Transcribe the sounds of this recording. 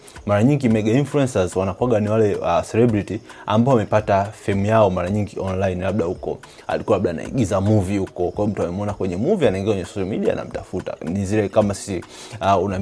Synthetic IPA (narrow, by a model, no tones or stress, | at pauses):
maɾaɲiŋɡimɛɡainfluɛnsazwanakwaɡaniwalɛasɛlɛbɾitia̰mbaɔwamɛpatafɛmujaɔmaɾaɲiŋɡiʔɔnlainlab̚ɗahukɔ̰ | a̰likuwalaɓɗaːna̰ḭɡizamuvihukɔkwajiɔm̩tuamɛmɔnakwɛɲɛmuvianaiŋɡiɛakwɛɲɛsɔʃalmiɗia̰na̰m̩tafuta̰niziɾɛkamasi̥si | una